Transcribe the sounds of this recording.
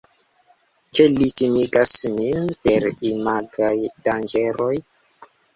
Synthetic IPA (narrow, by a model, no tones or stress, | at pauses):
kelitimiɡasminpe̞ɾimaɡajdand͡ʒeɾo̞j